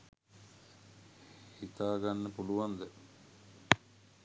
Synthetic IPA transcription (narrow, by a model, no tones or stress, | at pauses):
hit̪aːɡanːəpuluʋand̪ə